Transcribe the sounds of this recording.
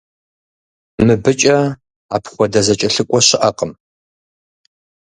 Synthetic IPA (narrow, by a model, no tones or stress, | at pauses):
mɨbɨt͡ʃʼɐ | aːpχʷɔdɐzɐt͡ʃʼɐɬɨkʷʼɔɕɪʔɐqʼəm